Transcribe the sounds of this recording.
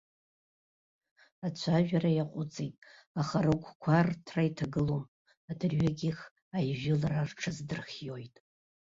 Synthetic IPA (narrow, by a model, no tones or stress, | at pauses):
at͡ɕʷʰaʒᶣarajaqʷʼʊt͡sʼejtʼ | aχarɨkʷkʷʰartʰraitʰaɡɨlom | adɨrɥaɡʲiχ | ajʒɪlararʈ͡ʂʰɨzdɨrχʲjojtʼ